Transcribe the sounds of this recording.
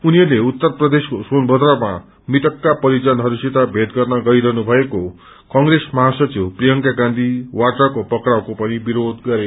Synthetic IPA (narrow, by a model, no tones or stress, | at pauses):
uniɦʌrleut̪ːʌrprʌd̪eskosonbʌd̪ɾʌma̰ | mit̪ʌkːapʌɾid͡zʌnɦʌɾusit̪abʱed̪ɡʌrnʌɡʌiɾʌɦnubʱʌeko | kʌŋɡɾesmʌɦasʌt͡siwprijʌŋkaɡãnd̪ʱiwaʈakopʌkɾawkopʌnibiɾod̪ɡʌɾe